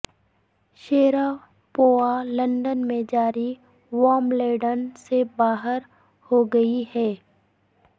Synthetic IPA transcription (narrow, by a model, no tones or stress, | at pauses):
ʃeːɾa | poːalɐ̃ɳɖənmẽd͡ʒaːɾi | ʋɔːmleːɖənsebaːɦəɾ | hoɡɐiɦɛː